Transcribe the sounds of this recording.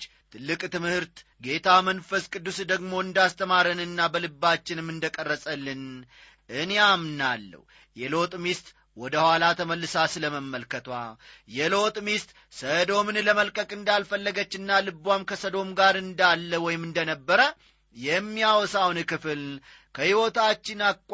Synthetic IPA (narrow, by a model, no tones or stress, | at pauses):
t̪ʰɨlːɨkʼt̪ɨmhɨɾt̪ɡe̞t̪ʰamənfəskʼɨd̪ːusd̪əɡmo̞ɨnd̪ast̪ʰəmaɾənɨnːabəlɨbːat͡ʃːɪnɨmɨnd̪əkʼərːəsʼəlːɨn | ʔɨneamnalːə̰w | jɛlo̞t̪ʼmist̪ʼ | wɔd̪əhʷwalat̪ʰəməlːɨsasɨləməmːəlkət̪wa̰jɛlo̞t̪ʼmist̪ʼ | səd̪o̞mɨnləməlkʼəkʼɨnd̪alfəlːəɡət͡ʃːɨnːalɨbːwamkʰəsəd̪o̞mɡaɾɨnd̪alːəwɔjɪmɨnd̪ənəbːəɾə | jɛmːijawɔsawnkɨfɨl | kʰəhiwo̞t̪ʰat͡ʃːɪnakʷʼ